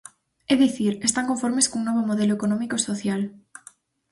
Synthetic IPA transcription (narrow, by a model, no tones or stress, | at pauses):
eðiθiɾest̪aŋko̞ɱfoɾmeskouŋnoβ̞omoð̞eloekonõmikosoθjal